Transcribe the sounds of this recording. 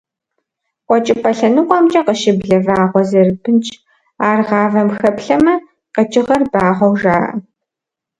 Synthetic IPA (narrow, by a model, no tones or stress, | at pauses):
qʷʼɔt͡ʃʼɪpʰʼɐɬɐnɨqʷʼɔmt͡ʃʼɐqəʃɪbɮɐvaːʁʷɔzɐrbɨnt͡ʃʼ | aːrʁɑːvɐmxɐpɬɐmɐ | qɐt͡ʃʼɪʁɐrbaːʁʷɔwʐaːʔɐ̰